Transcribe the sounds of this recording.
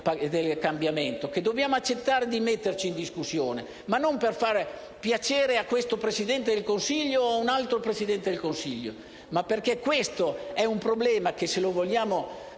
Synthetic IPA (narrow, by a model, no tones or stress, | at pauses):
pad̪elkambjament̪oked̪ːobjaːmoat͡ʃːet̪ːaːɾed̪imet̪ːert͡ʃiːnd̪iskusːjoːne | manːomperfar | pjat͡ʃeːɾeakːwest̪opɾesid̪ɛnt̪̬ed̪elkonsiʎːoaunalt̪ɾopɾesid̪ɛnt̪ed̪elkonsiʎːo̰ | mapːerkekːwest̪oɛumpɾoblɛːmak̟eselovoljaːmo